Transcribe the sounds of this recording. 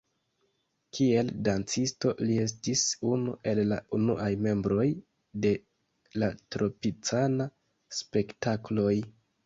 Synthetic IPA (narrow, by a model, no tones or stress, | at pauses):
kʰie̞ldant͡sisto̞lie̞s̬tisunṵʔe̞lːaunṵʔajme̞mbɾo̞j | de̞ | latɾo̞pit͡sana | spe̞ktaklo̞j